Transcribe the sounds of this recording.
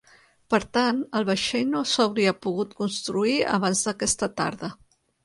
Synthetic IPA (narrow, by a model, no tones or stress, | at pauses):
pəɾt̪anəlˠβ̞əʃejnosawɾiəpuɣut̪kunst̪ɾuiə̰β̞anzðəkɛst̪ət̪a̰ɾðə